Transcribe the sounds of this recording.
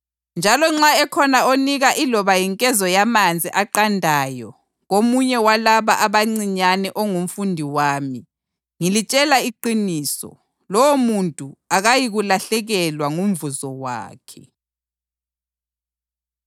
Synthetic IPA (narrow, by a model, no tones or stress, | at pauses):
nd͡ʒʱalɔŋ͡ǁaɛkʰɔnaoniɣaʔilɔβajiŋkʼɛzɔjamand͡zʱiʔaǃandʱajɔ | ɣomuɲɛwalaβaʔaβaŋ͡ǀiɲanɛʔɔŋum̩fundʱiwaːmi | ŋilit͡ʃʼɛlaiǃiniːsɔ̰ | lɔwomuntʼuaɣajiɣulaɬɛɣɛlwaŋum̩vuzɔwa̰ːkʰɛ̥